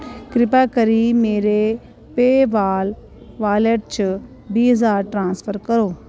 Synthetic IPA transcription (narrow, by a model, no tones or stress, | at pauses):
kɾɪpaːkəɾiːmeːɾe | peːʋaːl | ʋaːleʈ̚t͡ʃə | biːɦəzaːɾʈɾãːnspʰəɾkəɾoː